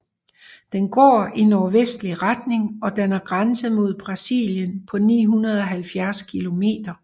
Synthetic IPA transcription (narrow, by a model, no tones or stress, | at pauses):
d̥enɡ̥ɒ̰ːinɒːʋesd̥liʁad̥ne̝ŋɒ̽d̥ænɐɡ̥ʁɑnsəmo̝ð̞̰ˠb̥ʁɑ̈sḭljənpʰɒ̽nḭːɦunɐð̞̩ˠɒ̽ɦælfjæɐskʰilo̝me̝̰ːd̥ɐ